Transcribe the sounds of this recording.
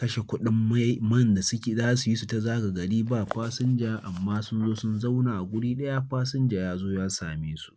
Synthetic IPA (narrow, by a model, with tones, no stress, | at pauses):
kɐ˦ʃe˨kʷʊ˦ɗɪ˦mːa˦mɐ˦˨nda˨sʊ˦kʲe˨zaː˦su˨ji˦su˨ta˨zaː˦ɡa˨ɡɐ˨ɽiː˦baː˦˨ɸaː˦sʊ˦nd͡ʒaː˦ʔa̰˨mːaː˦sʊ˦nzoː˦sʊ˦nza˦wnaː˨ʔa˨ɡʷʊ˦ɽiː˦ɗɐ˦ja˦ɸaː˦sʊ˦nd͡ʒaː˨jaː˦zoː˦jaː˦sa̰ː˨meː˦su̥˦ʔ